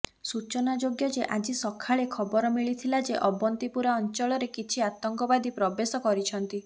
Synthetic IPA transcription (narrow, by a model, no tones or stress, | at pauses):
sut͡ʃɔnad͡ʒoɡjɔd͡ʒeʔad͡ʒisɔkʰaɭekʰɔbɔɾɔmiɭit̪ʰilad͡ʒeʔɔbɔnt̪ipuɾaɔnt͡ʃɔɭɔɾekit͡ʃʰiat̪ɔŋkɔbad̪ipɾɔbesɔkɔɾit͡ʃʰɔnt̪i